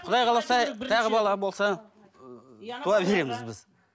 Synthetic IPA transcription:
qʰʊd̪ɑjqʰɑlˠɑsɑt̪ʰɑʁəbɑlˠɑbo̞lˠsɑ | t̪ʰuɑbe̞ɾe̞mɪzbɪz

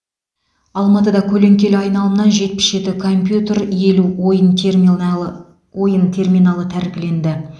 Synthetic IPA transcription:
ɑlˠmɑt̪əd̪ɑkʲʰɵle̞ŋkʲe̞lɑjnɑlˠəmnɑnʒe̞t̪̚pɪ̥sʒe̞t̪ɪkʰo̞mpʲjut̪eɾje̞luojən | wo̞jənt̪ʰe̞rmijnɑlˠət̪ʰæɾɪkʲɪle̞nd̪ɪ

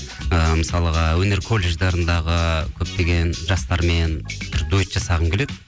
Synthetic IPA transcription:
əməsɑlˠəʁɑwɵne̞ɾkʰo̞lʲˠːe̞ʒd̪ɑɾənd̪ɑʁəkʲʰɵp̚t̪e̞ɡʲe̞nʒɑst̪ɑɾme̞nb̥ɪɾd̪uɪt̪ʒ̥ɑsɑʁəŋkʲeled̪ɪ

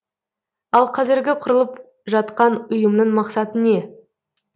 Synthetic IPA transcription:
ɑlˠqʰɑzɪɾɡʲɪqʰʊɾəlˠəp | ʒɑt̪qɑnʊjəmnəɴmɑqsɑt̪əne̞

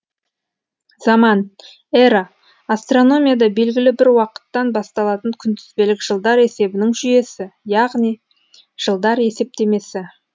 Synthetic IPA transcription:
zɑmɑn | eɾa | ast̪ro̞no̞mʲijad̪ɑbe̞lɡʲɪlɪbɪɾwɑqə̥t̪ːɑnbɑst̪ɑlˠɑt̪əŋkʲʰʏnt̪ɪzbe̞lɪkʒ̥əlˠd̪ɑɾe̞se̞bɪnɪŋʒʏje̞sɪjɑʁnij | ʒ̥əlˠd̪ɑɾe̞se̞p̚t̪e̞me̞sɪ

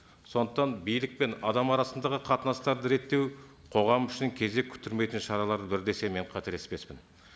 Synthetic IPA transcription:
so̞nd̪əqt̪ɑnbijlɪk̚pe̞nɑd̪ɑmɑɾɑsənd̪ɑʁəqʰɑt̪ənɑst̪ɑɾd̪əɾe̞t̪ːe̞w | qʰo̞ʁɑmʏʃɪŋkʲʰe̞ze̞kʲʰʏ̥t̪ɪɾme̞jt̪ɪnʃɑɾɑlˠɑɾəbɪɾd̪e̞se̞me̞ɴqʰɑt̪e̞ɾespe̞spɪn

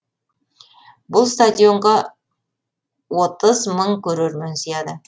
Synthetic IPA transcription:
bʊlˠst̪ad̪ʲijo̞ɴʁɑ | wo̞t̪əzməɴkʲʰɵɾeɾmensijɑd̪ə

